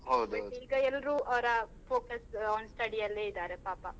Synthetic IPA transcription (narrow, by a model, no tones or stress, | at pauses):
ɦɐwd̪ɐiːɡɐɛlːɐɾuɐʋɐɾɐpoːkɐsɔːnsʈɐɽijɐlːeːid̪aːɾepaːpɐ